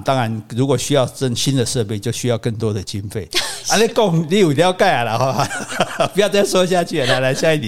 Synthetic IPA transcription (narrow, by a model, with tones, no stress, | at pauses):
t̪ɑ˦ŋa˨˦nɻu˨˥kwɔ˨˩ɕy˦jɑ˥˧ʊt͡sə˥˧˩ŋɕi˦nd̪ə˨ʂɤ˥˧pe˥˧ɪt͡ɕjo˥˧ʊɕy˦jɑ˥˧ʊkə˥˨ŋt̪wɔ˦d̪ə˨t͡ɕi˦nfe˥˩ɪa˧˦le˥˧˦kɔ˥˨ŋli˥˨u˨˩lja˥˧ʊka˥˩ɪa˨la˨xwa˥˨˩pjt͡sa˥˩˨sɔ˥˦˧ɕ̬ja˥˧t͡ɕʰy˥˨a˨la˨˧˩la˨˦ɪɕja˥˧˦i˥˩t̪i˨˩